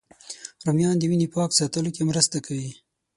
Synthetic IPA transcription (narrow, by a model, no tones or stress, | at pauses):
ɾomjɑnd̪əwinipɑksɑt̪əlokemɾəst̪akʰawi